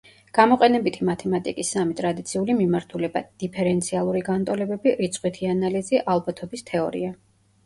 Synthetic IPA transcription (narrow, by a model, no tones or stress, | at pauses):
ɡ̥amɔqʼɛnɛbit̪ʰimat̪ʰɛmat̪ʼikʼisːamit̪ʼɾad̪it̪sʰiulimimaɾt̪ʰulɛba̰d̪̥ipʰɛɾɛnt̪sʰialˠuɾiɡant̪ʼɔlɛbɛbiɾit̪sʰʼqʼwit̪ʰianaliziʔalˠbat̪ʰɔbist̪ʰɛɔ̰ɾḭa